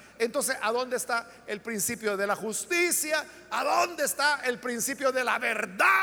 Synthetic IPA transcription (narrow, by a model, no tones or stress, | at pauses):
ent̪o̞ns̬e̞saðo̞nd̪eːst̪a | elpɾinsipjo̞ðe̞laxust̪isjaː | ðo̞nd̪est̪aʔelpɾinsipjo̞ðe̞laβeɾða